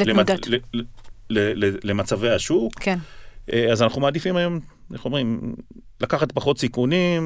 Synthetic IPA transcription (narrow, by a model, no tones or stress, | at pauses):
lemad | lelelemat͡savejhaʃukkeneazanaχumaːd̪ifimajo̞m | aχuomʁimlakaχat̪paχo̞t̪sikunim